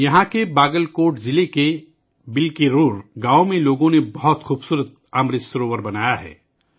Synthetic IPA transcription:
jɐɦãkebaːɡəlkoːʈzɪleke | bɪlkeɾoːɾɡãːomẽloːɡõnebɐɦɔt̪xuːbsuːɾət̪̚ | amɾɪsɾoːʋəɾbɐnaːjaɦɛ̰ː

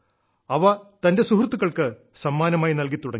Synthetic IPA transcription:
ɐʋɐt̪ɐnde̞suhrt̪ːuɣɐɭkɨ | sɐmːaːnɐmaːjinɐlkit̪ːuɽɐŋ

